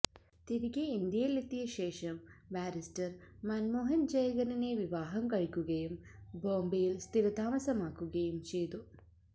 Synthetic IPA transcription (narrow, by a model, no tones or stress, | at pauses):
t̪iɾiɡeind̪ijɐjlːɐt̪ːijɐʃɛːʃɐmbæːɾisʈɐɾmaːnmoːɦɐnd͡ʒɐjɐɡɐnɐneːʋiʋaːɦɐmkɐɭikuɡejumboːmbejilst̪iɾɐd̪aːmɐsɐmaːkuɡejumt͡ʃiːd̪u